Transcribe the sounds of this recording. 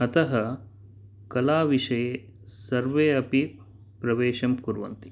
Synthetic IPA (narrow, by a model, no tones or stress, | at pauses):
ɐt̪ɐɦɐ | kɐlaːʋiʂɐjeː | sɐɾʋeːɐpi | pɾɐʋeːʃɐmkuɾʋɐ̰nt̪i̥